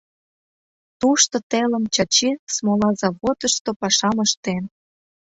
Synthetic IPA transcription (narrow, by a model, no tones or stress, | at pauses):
t̪uʃt̪ŏt̪elə̆mt͡ɕɑt͡ɕismolɑzɑβot̪ə̆ʃt̪opɑʃɑməʃt̪en